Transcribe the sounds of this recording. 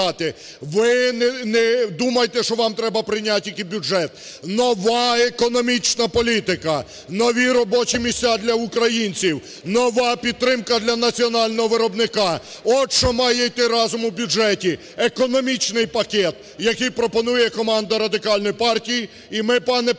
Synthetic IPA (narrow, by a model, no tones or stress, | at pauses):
ɑt̪ɪ | ʋɪnɛnɛd̪umɐjt̪ɛʃɔʋɑmt̪ɾɛbɐpɾɪjnʲatʲːikʲibʲud͡ʒɛt̪̚ | nɔʋɑekɔnɔmʲit͡ʃnɐpɔlʲit̪ɪkɐ | nɔʋʲiɾɔbɔt͡ʃimʲisʲtʲad̪lʲɐʊkɾɐjinʲt͡sʲiw | nɔʋɑpʲid̪̚t̪ɾɪmkɐd̪lʲɐnɐt͡sʲiɔnɑlʲnɔɦɔʋɪɾɔbnɪkɑɔt͡ʃɔmɑjɛjt̪ɪɾɑzʊmwbʲud͡ʒɛtʲi | ekɔnɔmʲit͡ʃnɪjpɐkʲɛt̪ | jɐkɪjpɾɔpɔnujɛkɔmɑnd̪ɐɾɐd̪ɪkɑlʲnɔjpɑrtʲijiː | mɪpɑnɛ